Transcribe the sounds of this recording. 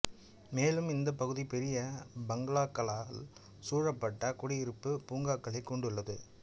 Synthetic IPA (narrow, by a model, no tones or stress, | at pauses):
meːlɯmɪnd̪ɐpɐɣɯðipɛɾɪjɐbɐŋɡɐɭaːkːɐɭaːl | suːɻɐpːɐʈːɐkʊɽɪɪɾɯpːɯpuːŋɡaːkːɐɭɐɪkːɔɳɖɯɭːɐðɯ